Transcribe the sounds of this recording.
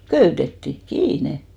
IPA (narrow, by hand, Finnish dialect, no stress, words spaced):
køytetːi kiːne